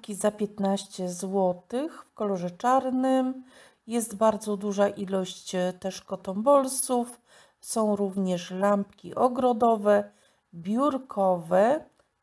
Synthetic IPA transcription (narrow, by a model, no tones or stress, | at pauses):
kʲizapʲjɛt̪naɕt͡ɕɛzwɔt̪ɘxfkɔlɔʐɛt͡ʂaɾnɘm | jɛst̪baɾd̪zɔd̪uʐaʔilɔɕt͡ɕt̪ɛʂkɔt̪ɔmbɔlsuf | sɔ̃w̃ɾuvɲɛʂlampkʲḭʔɔɡɾɔd̪ɔvɛ | bʲjuɾkʰɔvɛ